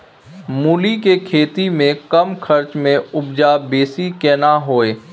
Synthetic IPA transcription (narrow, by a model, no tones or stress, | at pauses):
muːlikekʰeːt̪imẽkɐmkʰɐɾt͡ʃmẽʊbd͡ʒabeːsikɛːnaɦoːeː